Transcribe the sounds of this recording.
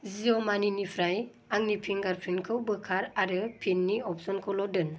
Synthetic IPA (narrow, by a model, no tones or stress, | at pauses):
ziɔmaninipʰɾaj | aŋnipʰiŋɡaɾpʰɾinkʰɯwbɯkʰaɾaɾɯpʰinːiɔp̚sɔnkʰɔlɔdɯn